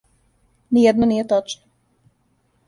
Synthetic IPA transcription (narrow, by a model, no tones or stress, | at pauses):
nijɛd̪nonijet̪ot͡ʃno